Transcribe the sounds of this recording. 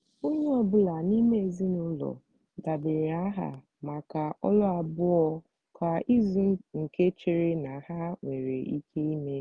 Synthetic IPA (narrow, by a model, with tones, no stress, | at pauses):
o˦ɲe˦ɔ˨bʊ˦la˨ni˦me˦e˨zi˦nʊ˦lɔ̰˨ | da˨bɪ˨ɾa˦ɦa̰˨ | ma˨ka˨ɔ˦lɔ˦a˨bʊ˦ɔ˦ | ka˨i˦zu˨˦ŋ̩˨ke˦t͡ʃe˨ɾe˦na˨ha˦ŋʷe˨ɾe˨i˦kʰe˦i˦me˦